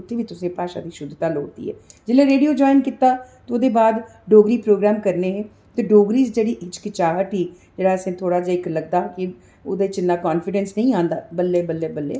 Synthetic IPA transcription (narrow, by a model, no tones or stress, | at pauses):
ʊt̪ʰːeːʋiːt̪ʊsẽːpaːʃa̰ːd̪iːʃʊd̪ʱt̪aːloːt̪ḭːɦɛ̰ːd͡ʒɪːlẽːɾeːɖijoːd͡ʒɔːɪnkɪt̪ːaːt̪eoːd̪eːbaːd̪ɖoːɡɾiːpɾoːɡɾaːmkəɾneːɦɛː | t̪eːɖoːɡɾiːsd͡ʒeːɽiːʔɪt͡ʃkɪt͡ʃaːɦəʈɦiː | d͡ʒeːɽaːəsẽːt̪ʰoːɽaːd͡ʒaːɪkləɡ̚d̪aːkɪ | od̪et͡ʃɪnaːkaːnfɪɖɛnsnəĩːãːnd̪a̰ːbəlːeːbəlːeːbəlːḛː